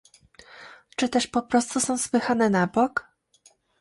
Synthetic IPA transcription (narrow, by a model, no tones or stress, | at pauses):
t͡ʂɘt̪ɛʂpɔpɾɔst̪usɔ̃w̃spɘxanɛnabɔk